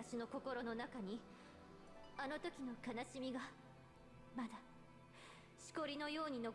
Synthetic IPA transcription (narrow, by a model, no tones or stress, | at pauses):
aɕino̞ko̞ko̞ɾo̞no̞nakaɲ̟i | ano̞t̪o̞kʲino̞kanaɕimʲiɡa | mad̪a | ɕi̥ko̞ɾʲino̞jo̞ːɲ̟ino̞